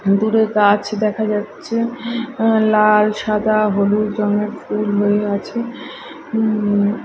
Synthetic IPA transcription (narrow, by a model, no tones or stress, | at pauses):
d̪uɾekat͡ɕʰd̪ɛkʰad͡ʑatːɕʰe | lalʃad̪ʱaɦolod͡ʑɔŋeɾfulɦoeat͡ɕʰe